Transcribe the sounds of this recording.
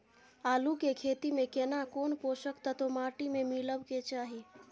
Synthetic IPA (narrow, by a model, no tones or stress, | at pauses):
aːlukekʰet̪imekenakonpoʃəkt̪ət̪omaʈimemiləbket͡ʃaːɦi